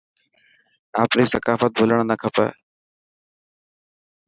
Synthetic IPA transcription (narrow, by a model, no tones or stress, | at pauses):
aːpniːsəkaːfət̪̚bʱʊləɳ̃nəkʰəpɛ̰ː